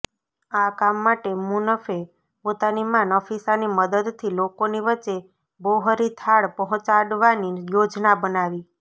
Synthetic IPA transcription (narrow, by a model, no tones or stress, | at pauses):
akamːaʈemunəfe | pot̪animanɔfisaniməd̪əd̪t̪ʰilokoniʋəːt͡ʃe | boɦəɾit̪ʰaɭpəɦɔ̃t͡ʃaɽʋanijod͡ʒnabənaʋi